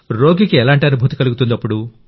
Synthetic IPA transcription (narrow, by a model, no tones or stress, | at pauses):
ɾo̞ːɡikiɛlaːɳʈiɐnubʱuːt̪ikɐluɡut̪und̪ɐpːuɽu